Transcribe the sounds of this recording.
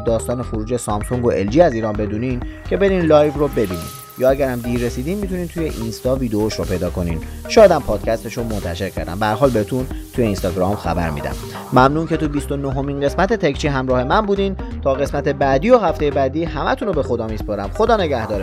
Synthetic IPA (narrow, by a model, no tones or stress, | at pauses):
d̪ɒːst̪ɒːnexoɾuːd͡ʒe̞sɒmsoŋɡoʔeld͡ʒiːæziːɾɒːnbe̞d̪uːniːncʰe̞be̞ɾiːnlɒːjvrobe̞biːnḭːn | jɒːæɟæɾæmd̪iːɾːesiːd̪iːnmit̪ʰuniːnt̪ʰuje̞ʔinst̪ɒːviːd̪eoʃopʰe̞jd̪ɒːko̞nḭːnʃɒːjæd̪æmpʰɒːd̪̥cʰæst̪e̞ʃomont̪ʰæʃe̞ɾcʰæ̰ɾd̪æ̰mbææɾɦɒːlbehet̪ʰunt̪ʰujeinst̪ɒɟɾɒːmxæ̰bæ̰ɾmḭːd̪æ̰mː | æmnuːncʰe̞t̪ubist̪o̞noɦo̞minɢe̞smæt̪ʰet̪ʰekt͡ʃʰiːɦæmɾɒːhe̞mænbuːd̪int̪ʰɒːɣe̞smæt̪ʰe̞bæːd̪iːoɦæft̪e̞jebæːd̪iːhæmæt̪ʰunobe̞xo̞d̪ɒːmiːspoɾæmxo̞d̪ɒːne̞ɟæhd̪ɒːɾe